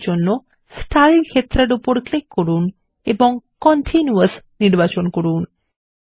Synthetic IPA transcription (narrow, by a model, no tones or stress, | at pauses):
d͡ʒɔnːo | sʈaɾiŋkʰet̪ɾaɽupɔɾklikʰːɔɾun | ebɔŋkɔɳʈʰinjuəsniɾbat͡ʃɔnkɔɽuːn